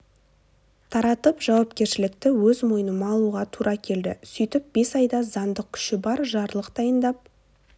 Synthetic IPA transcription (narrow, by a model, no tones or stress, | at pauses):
t̪ʰɑɾɑt̪əpʒ̥ɑwɑpkʲe̞ɾʃɪlɪkt̪ɪwɵzmo̞jənəmɑːlˠuʁɑt̪ʰuɾʔɑkʲʰe̞ld̪ɪ̰sʏjt̪ɪp̚b̥e̞sɑjd̪ɑzɑnd̪əq̚kʲʰʏ̥ʃɪbɑɾʒɑɾlˠəqd̪ɑjənd̪ɑp̚